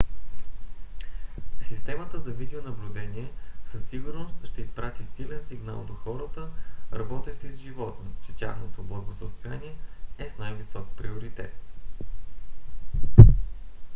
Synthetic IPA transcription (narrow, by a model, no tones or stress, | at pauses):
sist̪ɛmət̪əzɐvid̪ɛonɐblʲʊd̪ɛniɛsɐsːiɡʊɾnost̪ʃt̪ɛispɾat̪isilɛnsiɡna̰lˠd̪oxɔɾət̪əɾɐbɔt̪ɛʃt̪oizʒivɔt̪not͡ʃɛt̪ʲja̰xnot̪oblˠəɡosəst̪oja̰niɛɛsnajvisɔkpɾioɾit̪ɛ̰t̪̚